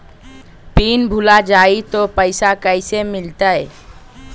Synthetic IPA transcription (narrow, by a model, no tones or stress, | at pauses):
piːnbʱʊlad͡ʒaːit̪opəɪsakəɪsemɪlt̪əɛe